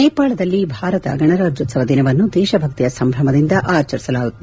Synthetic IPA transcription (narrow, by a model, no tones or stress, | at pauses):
ɛːpaːɭɐd̪ɐlːibʱaːɾɐt̪ɐ̰ɡɐɳɐɾaːd͡ʒjɔt̪sɐʋɐd̪inɐʋɐnːud̪ɛːʃɐbʱɐk̚t̪ijɐsɐmbʱɾɐmɐd̪ind̪ɐʔaːt͡ʃɐɾisɐlaːɡut̪ːɐ